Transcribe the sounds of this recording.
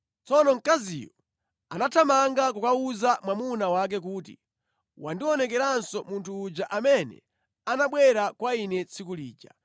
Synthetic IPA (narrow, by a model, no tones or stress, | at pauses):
t͡sɔnɔŋ̩kazḭjɔ | anatʰamaŋɡakukauzamwamunawak̬ɛk̬uːtḭ | wandiɔnɛk̬ɛɾansɔmuntʰuːd͡ʒaʔamɛnɛ̰ | anaɓwɛɾakwainɛt͡sʰikuliːd͡ʒa